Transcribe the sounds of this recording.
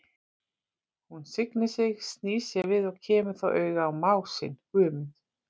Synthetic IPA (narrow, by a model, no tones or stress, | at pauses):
hunsɪknɪ̥sɪɣst̪niːsɛvɪðɔɣcʰɛːmʏɾ̥θawʔœːɥɣaawmaːwsɪ̰nhʏːmʏn